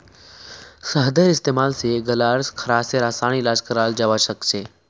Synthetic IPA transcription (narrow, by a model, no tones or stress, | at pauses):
səɦd̪eɾɪst̪eːmaːlseɡəlaːɾskʰəɾaːseɾaːsaːɽ̃ilaːd͡ʒkəɾaːld͡ʒaʋaʃəkt͡ʃʰeː